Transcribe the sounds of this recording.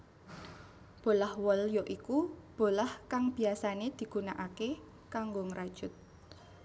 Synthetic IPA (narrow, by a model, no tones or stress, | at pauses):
b̥o̤lahwɔljoʔikub̥o̤lahkaŋb̥i̤asaned̪̥i̤ɡ̥unaʔake | kaŋɡoŋɾad̥ʒ̥ʊt̪̚